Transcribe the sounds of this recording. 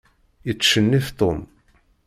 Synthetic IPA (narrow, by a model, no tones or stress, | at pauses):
jət͡sːʃənːiθt̪ˤom